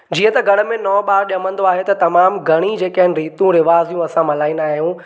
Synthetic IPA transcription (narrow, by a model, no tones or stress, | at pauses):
d͡ʑiːə̃t̪ɐɡɐɽ̃̆mẽnɔːɓaːɾɗijəmə̃nd̪oaːɦet̪ɐt̪ɐmaːmɡʱɐɽ̃id͡ʑeːkɐɦɪnɪ̆ɾiːt̪ũɾɪʋaːzijũɐsãmɐlaːĩnd̪aːɦijũ